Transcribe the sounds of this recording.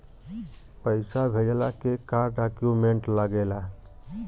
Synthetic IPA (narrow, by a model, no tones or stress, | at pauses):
pəɪsabʱed͡ʒlakekaɾɖakjumeɳʈləɡela